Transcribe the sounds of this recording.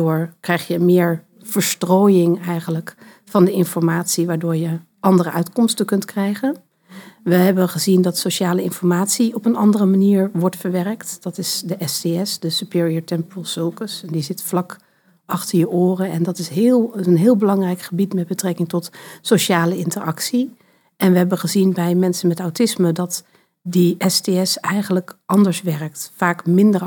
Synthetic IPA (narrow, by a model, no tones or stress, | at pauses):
ʊːɹkrɛjχjəmɪːɹ | v̥əɹstroːjɪŋɛjχənlək | fɑndəɪnfɔɹmaːtsiʋaːɹdʊːɹjə | ʔɑndərəʔœɥtkɔmstəkɵntkrɛjχən | ʋəɦɛbəχəzindɑtsoʃaːləɪnfɔɹmaːtsiɔpənɑndərəmaniːɹʋɔɹtfəɹʋɛrəktd̥ɑtɪsdəʔɛseɛsdəsypɪːɹiəɹtɛmpəlˠsølˠkəsɛndizɪtflɑk | ʔɑχtəɹjəʔʊːrəɛndɑtɪsɦɪːlˠənɦɪːlˠbəlɑŋrɛjkχəbitmɛd̚bətrɛkɪŋtɔtsoʃaːləɪntəɹɑ̰ksi | ʔɛnʋəɦɛbəχəzinbɛjmɛnsənmɛtawtɪsmədɑt | diʔɛsteɛsɛjχənləkʔɑndəɹsʋɛrk̚tfaːkmɪndəɹ